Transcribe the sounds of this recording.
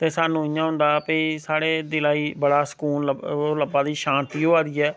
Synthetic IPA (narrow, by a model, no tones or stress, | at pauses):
t̪eːsaːnũːɪjãːɦʊ̃nd̪aːpesaːɽeːd̪ɪlaːiːbəɽaːsə̥kuːnləoləbaːd̪iːʃãːnt̪iːɦoːaːd̪iːɛː